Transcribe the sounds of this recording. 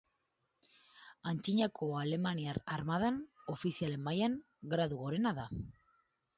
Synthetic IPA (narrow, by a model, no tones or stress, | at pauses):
ant͡ʃiɲakʰo̞ale̞maniaɾaɾmað̞ano̞fisiale̞mːajaŋ | ɡɾaðuɣo̞ɾe̞naða